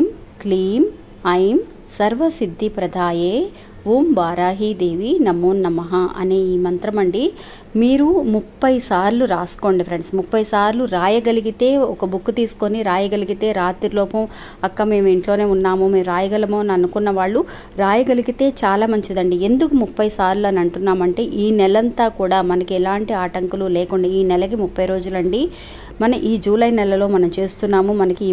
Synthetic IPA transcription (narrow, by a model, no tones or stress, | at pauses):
m | kliːm | ɐjm | sɐɾʋɐsid̪ʱːipɾɐd̪ʱaːjeː | ʋuːmʋaːɾaːɦid̪e̞ːʋinɐmuːnːɐmɐɦaʔɐ̰neːiːmɐnt̪ɾɐmɐɳɖi | miːɾumupːɐjsaːɾluɾaːsko̞ːɳɖifʰɾeɳɖsmupːɐjsaːɾluɾaːjɐɡɐliɡit̪e̞ːɔkɐbukːut̪iːsu̥ko̞niɾaːjɐɡɐliɡit̪e̞ːɾaːt̪ilɔːpɐm | ɐkːame̞ːmiɳʈlo̞ːne̞ːunːaːmume̞ːmɾaːjɐɡɐlɐmoːnɐnukunːɐʋaːɭːu | ɾaːjɐɡɐliɡit̪e̞ːt͡ʃaːlaːmɐɲt͡ʃid̪ɐɳɖie̞nd̪ukumupːɐjsaːɾluɐnɐɳʈunːaːmɐɳʈe̞ːʔiːnɛlɐnt̪aːkuːɽaːmɐnɐkiɛlaːɳʈiaːʈɐŋkululeːkuɳɖaːiːnɛlɐkimupːɐjɾo̞ːd͡ʒulɐɳɖi | mɐnɐmʔiːd͡ʒuːlɐjnɛlɐlo̞ːmɐnɐmt͡ʃeːst̪unːaːmumɐnɐki